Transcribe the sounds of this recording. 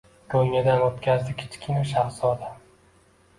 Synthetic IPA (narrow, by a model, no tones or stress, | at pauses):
kʰʲolmjad̪anot̪kʲʰazd̪ɪkʲʰɪ̥t͡ʃʰɪ̥kʲʰːɪnɪʃaχsɒd̪a